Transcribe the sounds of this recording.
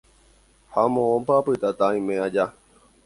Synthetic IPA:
hamõõmpaːpɨt̪at̪aĩmẽad͡ʒa

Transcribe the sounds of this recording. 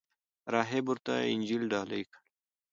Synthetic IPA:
ɾɑːɦebuɾt̪a̰ɪ̰nʲd͡ʒilɖɑːla̰jkʰḁɽ

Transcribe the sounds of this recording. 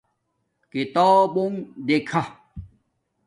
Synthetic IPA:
kit̪ɔːbuŋd̪ekʰa

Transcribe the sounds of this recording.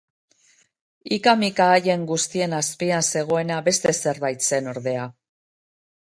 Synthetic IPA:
ikamikaːje̞ŋɡust̪ie̞naspianse̞ɣ̞o̞e̞naβe̞st̪e̞se̞ɾβajt̪t͡se̞no̞ɾðe̞a

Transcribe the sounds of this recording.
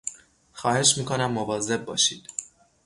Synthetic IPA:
xɒːhe̞ʃmiːkʰonæmːovɒːze̞b̚ːɒːʃiːd̪̥

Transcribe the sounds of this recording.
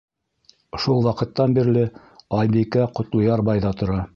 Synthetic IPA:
ʃulˠwɑqɤ̆t̪ːɑnbiɾlɘ | ɑjbikæqŏt̪lˠŏjɑɾbɑjðɑt̪ŏɾɑ

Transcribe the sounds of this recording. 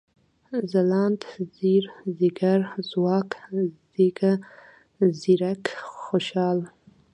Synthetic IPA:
zalɑnt̪ziɾzɪɡaɾzwɑːkz | iɡa | ziɾakxoʃɑːl

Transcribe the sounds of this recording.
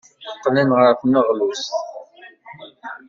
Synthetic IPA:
əqːninʁəɾθməʁlus

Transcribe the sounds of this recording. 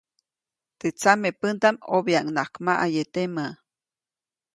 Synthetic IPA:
t̪et͡samepənt̪amobjaʔŋnakmaʔajet̪ema

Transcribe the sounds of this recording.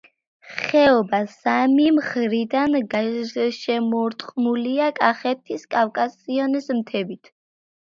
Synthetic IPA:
χɛɔbasamimχɾid̪anɡaʃɛmɔɾt̪ʼqʼmuliakʼaχɛt̪ʰiskʼafkʼasiɔnismt̪ʰɛbit̪ʰ

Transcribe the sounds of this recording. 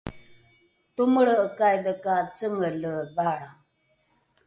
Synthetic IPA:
t̪uməɽəːkajdəkat͡səŋələbaɽa

